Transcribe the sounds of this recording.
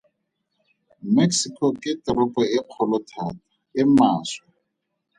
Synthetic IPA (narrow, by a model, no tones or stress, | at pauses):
meksikʰɔkʼɪtɪrɔpʼɔɪq͡χʰɔlɔtʰaːtḁ | ɪmaːswa